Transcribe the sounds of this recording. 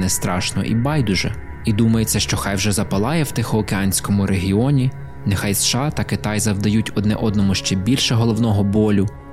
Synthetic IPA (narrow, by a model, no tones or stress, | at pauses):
nɛst̪ɾɑʃnɔ̰ʔḭbɑjd̪ʊʒɛ̰ | id̪umɐjet͡sʲːɐʃt͡ʃɔxɑjwʒɛzɐpɐlˠɑjɛwt̪ɪxɔɔkeɑnʲsʲkɔmʊɾʔeɦʲiɔnʲi | nɛxɑjsʃɑt̪ɐkɪt̪ɑjzɐwd̪ɐjutʲɔd̪nɛ̰ʔɔd̪nɔmʊʃt͡ʃɛbʲilʲʃɛɦɔlˠɔwnɔɦɔbɔlʲʊ